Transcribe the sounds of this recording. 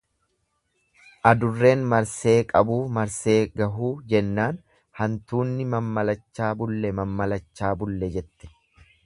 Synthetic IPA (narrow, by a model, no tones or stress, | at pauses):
ʔɐd̪ʊrːe̞ːnmɐɾse̞ːkʼɐbuːmɐɾse̞ːɡɐɦuːd͡ʒɛnːaːn | hɐnt̪uːnːɪmɐmːɐlɐt͡ʃːaːbʊlːɛmɐmːɐlɐt͡ʃːaːbʊlːɛd͡ʒɛt̪ːɛ̥